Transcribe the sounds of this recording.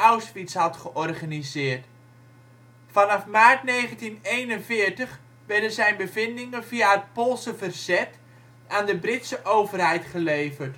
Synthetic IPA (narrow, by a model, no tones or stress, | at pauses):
awspitshɑtχəʔɔrχanizɪːrt | fɑnɑfmaːrtneːχəntinejnənvɪəɹtəχ | ʋɛɹdənzɛjnbəvɪndɪŋənviaɦət̚polˠsəvərz̥ɛt | aːndəbrɪtsəʔowvərɦɛjtχəleːvərt